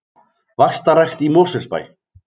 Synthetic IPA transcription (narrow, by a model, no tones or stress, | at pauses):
vast̪aɾɛxt̪imoːsɛsba̰j